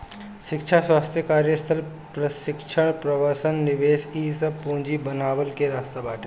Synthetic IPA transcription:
ʃɪkʃʰaswaːst̪ʰjəkaːɾjəst̪ʰəl | pɾɐʃɪkʃʰəɽ̃pɾɐʋəːsənːɪʋeːʃiːsəb̚põːɲd͡ʒibənaːʋəlkeɾaːst̪abaːʈʰe

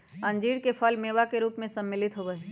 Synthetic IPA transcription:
ɐ̃nd͡ʒiːɾkepʰəlmeːʋakeɾuːpmẽsəmːɪlɪt̪ɦoʋəe

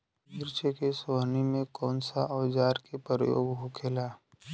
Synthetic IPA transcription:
mɪɾt͡ʃekesʋnimẽkɔːnsaʔɔːd͡ʒaːɾkepəɾəjo̰ːɡɦʊkʰeːlaː

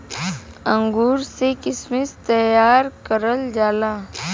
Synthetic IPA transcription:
ə̃ŋɡuːɾsekɪsmɪst̪əjaːɾkəɾəld͡ʒaːlaː

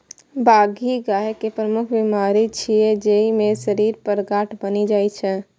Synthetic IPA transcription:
baɡʱiɡaɦkepɾəmukʰbimaːɾit͡ʃʰied͡ʒeimesəɾiɾpəɾɡaʈʰbənid͡ʒaːjt͡ʃʰɛ

